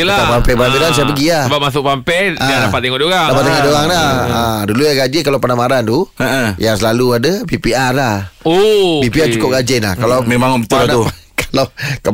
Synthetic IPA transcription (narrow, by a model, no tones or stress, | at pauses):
laapampɛbɾabidans̬aʔpəɡiaəbamas̬ʊk̚pampɛaadapat̪̚ːeŋɔʔdoɣaŋdapat̪ːeŋɔʔdoɣaŋlaadulujaɡad͡ʒikalapanamaɾand̪uəʔəjaŋsəlaluadəbipiarlahobipiat͡ʃukʊp̚ɡad͡ʒɛnla̰hkalamemaŋɔbət̪ulanaukḁlaka